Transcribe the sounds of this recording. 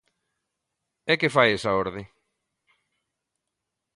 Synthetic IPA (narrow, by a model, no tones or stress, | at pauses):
ɛkefajesaoɾðɪ